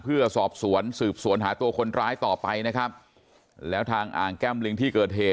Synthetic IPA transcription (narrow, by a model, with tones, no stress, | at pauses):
pʰɯ˥˩ɐsɔː˨˩p̚su˩˦ənsɯː˨˩p̚su˨˩˦ənɦaː˩˦˥t̪u˧ɐkʰo˧nɾaː˦˥jt̪ɔː˨˩pa˧jna˦˥kʰɾa˦˥p̚ | lɛː˦˥wt̪ʰaː˧ŋʔa̰ː˨˩ŋkɛː˥˩mli˧ŋt̪ʰiː˥˩kɤː˨˩t̪̚heː˨˩